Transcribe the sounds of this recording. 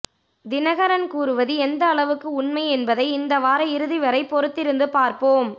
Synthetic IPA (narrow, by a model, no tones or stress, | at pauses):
d̪ɪnɐɣɐɾɐnkuːɾɯʋɐðɯɛnd̪ɐːɭɐʋɯkːɯʊɳmɐɪɛnbɐðɐɪɪnd̪ɐʋaːɾɐɪɾɯðiʋɐɾɐɪpːɔɾɯt̪ːɪɾɯnd̪ɯpaːɾpoːm